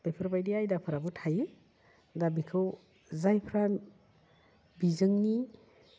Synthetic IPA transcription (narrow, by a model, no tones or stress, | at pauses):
bapʰɾbajdiajdapʰɯɾabutʰaje | dabikʰɯw | zajpʰɾan | bizɯŋni